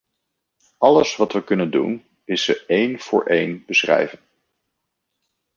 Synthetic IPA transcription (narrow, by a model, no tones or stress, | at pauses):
ɑləsʋɑtʋəkɵnəndṵn | ɪsːəejnv̥ʊːɹʔejnbəsrɛ̰jvən